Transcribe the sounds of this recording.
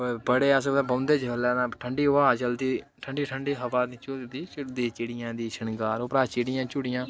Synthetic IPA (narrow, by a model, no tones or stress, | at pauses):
bəɽeːseːbə̃ːnd̪eːd͡ʒəlɛːnãːʈʰəɳɖiːaːd͡ʒəld̪iː | ʈʰəɳɖiːʈʰəɳɖiːɦəʋaːd̪it͡ʃʊd̪iːt͡ʃʊd̪iːt͡ʃɪɽɪjãːd̪iːʃənɡaːɾoːpɾaːt͡ʃɪɽɪjãːt͡ʃʊɽɪjãː